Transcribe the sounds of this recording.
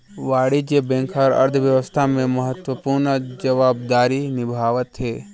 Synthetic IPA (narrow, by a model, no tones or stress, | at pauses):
ʋaːɽid͡ʒebɛ̃ːŋkʰɔɾɐ̰ɾd̪ʱʰəʋjəʋəst̪ʰamẽməɦət̪wəpuːɾnd͡ʒɐʋaːbd̪aːɾinɪbʱaːʋət̪ɦeː